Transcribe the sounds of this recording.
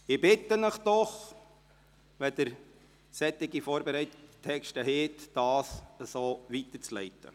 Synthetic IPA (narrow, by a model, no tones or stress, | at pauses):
ɪbɪtːənəχd̥ɔχ | ʋɛd̥əɾ | sɛt̪ːɪɡifoːɾbeɾɛɪt̪əttʰɛkʃtəɦɛtd̥ɑːsəsoːʋit̪əɾt͡slɛ̰ɪtə̰